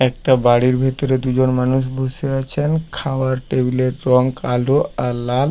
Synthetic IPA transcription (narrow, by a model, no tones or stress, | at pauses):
ɛk̚ʈabaɽiɾbʱet̪ɔɾed̪ud͡ʑonmanuʃ̬bʱuseat͡ɕʰenkʰawaɾʈebileɾɔŋkaloaɾlal